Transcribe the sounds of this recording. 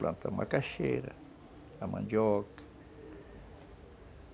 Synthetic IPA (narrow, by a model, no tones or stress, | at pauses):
plʔant̪ʰamakaʃeɾa | ama̰njok